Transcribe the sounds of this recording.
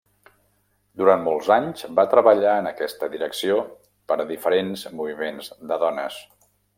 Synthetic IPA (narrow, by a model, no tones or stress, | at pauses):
d̪uɾanmɔlˠzaɲzbat̪ɾəβəʎaənəkɛst̪əðiɾəksio | pəɾðifəɾenzmuβimenzd̪əðɔnəs